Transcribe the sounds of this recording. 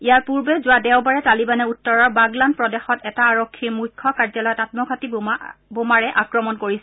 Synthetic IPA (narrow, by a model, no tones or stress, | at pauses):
ijaɹpuɹbɛzʊwadɛwbaɹɛtalibanɛutːɔɹɔɹbaɡlanpɹɔdɛxɔtɛtaːɹokʰːiɹmujkʰːɔkaɹzalɔjɔtatmɔɡʱatibomaɹɛʔakɹɔmɔnkoɹisɛ